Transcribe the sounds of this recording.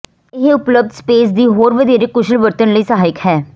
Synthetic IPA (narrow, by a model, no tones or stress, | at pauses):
ɪɦʊpləb̚d̪speːs̬d̪iːɦoːɾʋəd̪ʱiːɾeːkʊʃəlʋəɾt̪ənləiːsəɦaːɪkhɛː